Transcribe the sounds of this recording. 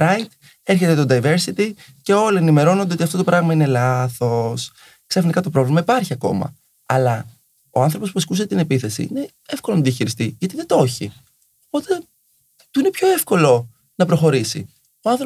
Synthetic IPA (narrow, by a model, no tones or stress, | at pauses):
ɾɐjt̪ | e̞ɾçe̞t̪e̞t̪od̪ɐjve̞ɾsit̪i | ce̞o̞lienime̞ɾo̞nondeot̪iɐft̪ot̪opɾɐɣmɐine̞lɐθo̞s | ksɐfinikɐt̪o̞pɾo̞vlimɐipɐɾçiɐko̞̰mɐ̰ | ɐlɐ | o̞ɐnθɾopospuɐskuseet̪ine̞piθe̞sḭine̞ | efko̞lonɐðiɐçiɾist̪iʝɐt̪iðe̞t̪o̞çi | opo̞t̪e̞ | t̪uine̞pço̞e̞fko̞lo̞ | nɐpɾo̞xo̞ɾisi | oɐnθɾo